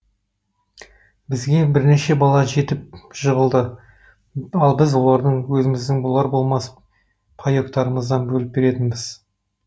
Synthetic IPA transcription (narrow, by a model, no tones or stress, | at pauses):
bɪzɡʲe̞bɪɾne̞ʃe̞bɑlˠɑʒe̞t̪ɪp̚ʒ̥əʁəlˠd̪ə | ɑlˠbɪzwo̞lˠɑɾd̪əɴwɵzɪmɪzd̪ɪŋbʊlˠɑɾbo̞lˠmɑs | pʰɑjo̞kt̪ɑɾəməzd̪ɑnbɵlɪp̚be̞ɾe̞t̪ɪnbɪz̥